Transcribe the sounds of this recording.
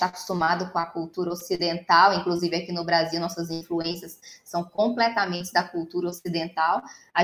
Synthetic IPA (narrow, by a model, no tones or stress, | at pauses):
t̪ako̥st̪umad̪ʊkõɐkuwt̪uɾɐosid̪ẽnt̪awĩŋkluzivɪɐkinʊbɾaziwnɔsɐzĩfluẽsiɐsːɐ̃w̃kõplɛt̪amẽnt͡ʃɪd̪ɐkuwt̪uɾɐosid̪ẽnt̪awa